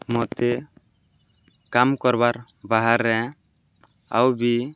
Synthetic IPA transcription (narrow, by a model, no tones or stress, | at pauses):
mɔt̪ɛ | kamkɔɾbaɾ | baɦaɾːɛ | a̰wbi